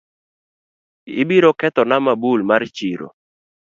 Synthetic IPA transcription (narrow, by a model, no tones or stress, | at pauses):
ɪ̰biɾokɛt̪ɔnamabulmart͡ʃiɾo̰